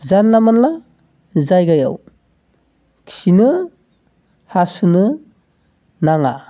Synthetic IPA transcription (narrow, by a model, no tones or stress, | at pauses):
zanlamanla | zajɡaja̰w | kʰi̥sinɯ | hasunɯ | naŋa̰